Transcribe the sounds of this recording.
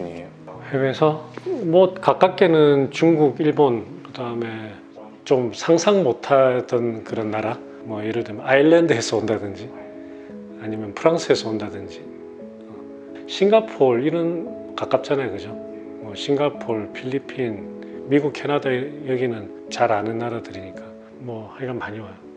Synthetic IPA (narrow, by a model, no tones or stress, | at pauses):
hewesʰʌmot̚kak͈ak̚k͈e̞nɯnt͡ɕuŋɡuɡiɭbonkɯdaɯme̞ | t͡ɕomsʰaŋsʰaŋmotʰad̥ʌnkɯɾʌnːaɾa | mwʌjeɾɯɭdwemjʌnaiɭːendɯɦe̞s͈ʌondadɯnd͡ʑi | aɲimjʌnpʰɯɾaŋsʰɯɦes͈ʰʌondadɯnd͡ʑi | ʌ | ɕʰiŋɡapʰoɾiɾʌn | kak͈ap̚t͡ɕ͈anajokɯd͡ʑo | mwʌɕʰiŋɡapʰoɭpʰiʎːipʰin | miɡuk̚kʰe̞nadajʌɡinɯn | t͡ɕaɾanɯnːaɾadɯɾiɲik͈a | mwʌhaɲiɡamaɲiwajo